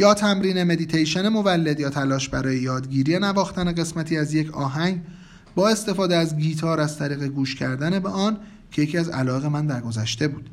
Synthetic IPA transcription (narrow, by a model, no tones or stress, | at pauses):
jɒːt̪ʰæmɾiːne̞me̞d̪it̪ʰejʃenemo̞vælːe̞d̪jɒːt̪ʰælɒːʃbæɾɒːjejɒːd̪ɟiːɾijenævɒːxt̪æne̞ɣe̞smæt̪ʰiːæzje̞cʰɒːɦæŋɡ | bɒːe̞st̪e̞fɒːd̪eæzɡiːt̪ʰɒːɾæzt̪ʰæɾiːɣe̞ɡuːʃcʰæɾd̪æne̞beɒːn | cʰe̞jecʰiːæzæ̰lɒːeɣemænd̪æɾɡo̞zæʃt̪e̞buːd̪̥